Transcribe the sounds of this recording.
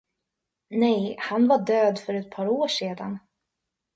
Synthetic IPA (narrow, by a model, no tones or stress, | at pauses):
nɛjhanvaɖøːd̪fœɾɛt̪̚pʰɑːɾoːʂeːd̪a̰n